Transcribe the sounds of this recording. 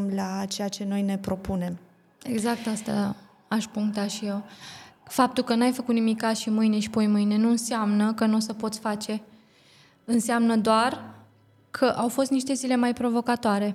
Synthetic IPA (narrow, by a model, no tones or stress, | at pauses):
mlat͡ʃe̞jat͡ʃe̞no̞jne̞pɾo̞pune̞m | e̞ɡzak̚t̪ast̪a̰ | aʃpuŋkt̪aʃije̞w | fap̚t̪ulkənuajfəkut̪nimikʲːazʃimɨjne̞ʃi̥po̞jmɨjne̞nuɨnseamnəkənosəpo̞t̪sʲfat͡ʃe̞ | ɨnseamnəd̪oar | kʰəʔawfo̞st̪niʃt̪e̞zile̞majpɾo̞vo̞kat̪oaɾe̞